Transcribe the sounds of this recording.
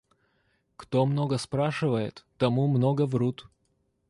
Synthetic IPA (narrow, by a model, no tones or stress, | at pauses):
kt̪omnoɡəspɾaʂɨvəjɪ̰t̪ːɐmumnoɡəvɾut̪